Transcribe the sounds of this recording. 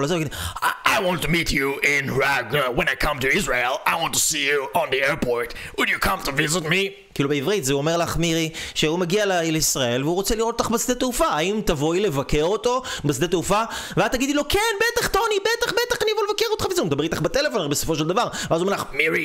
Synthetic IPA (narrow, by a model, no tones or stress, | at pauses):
lazɡid̪ajwɑ̃ntumit͡ʃuɪ̃nɹaɡwə̃najkʰʌ̃mtuɪzɹeɪlˠajwɑ̃ntusijuə̃nðiɛɹpʰoɹtwʊdjɨkʰʌ̃mtuvɪzɪt̚mi | kiːlubeivʁitzeuome̞ʁlaχmiʁiʃehumeɡialeleisʁae̞lveuʁot͡seliʁotot̪aχbasd̪et̪eufaːimt̪avo̞jle̞vakeʁot̪o̞basd̪eteufaveazt̪aɡid̪ilo̞kenbetaχt̪onibet̪aχbet̪aχanijavolvakeʁot̪χavzeumed̪abit̪aχbet̪elefo̞nbeso̞fo̞ʃeld̪avaʁveazuomela̰χmiɹi